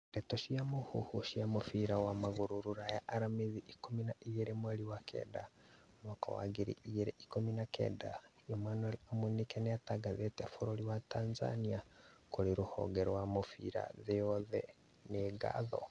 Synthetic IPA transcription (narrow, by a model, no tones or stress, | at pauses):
ɾɛtoʃiamohuhuʃiamofiɾawamaɣuɾuɾuɾajaʔːɾameðiʔikominaiɣeɾemwɛɾiwakʰɛ̰ːda | mwaka̰wa̰ɣiɾḭiɣeɾeʔikominakɛ̰dajomanwɛlamunikɛnɛataɡaðetɛfoɾoɾiwatanza̰niakoɾeɾuhɔ̰ɡɛɾwamofḭɾa̰ðeɔðɛ | neɡa̰ðɔ̰